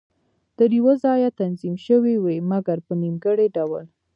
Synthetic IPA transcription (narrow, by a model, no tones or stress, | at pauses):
t̪əɾjwəzɑjat̪anzimʃəwiwemaɡaɾpənimɡəɽeɖawəl